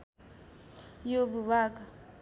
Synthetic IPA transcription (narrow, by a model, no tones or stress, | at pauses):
joβuβaːka